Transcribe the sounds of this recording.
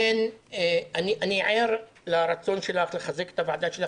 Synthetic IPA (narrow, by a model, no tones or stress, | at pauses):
en | aniʔaniʕeɾ | laɾat͡so̞nʃelaχleχazeke̥t̪avʕad̪aʃela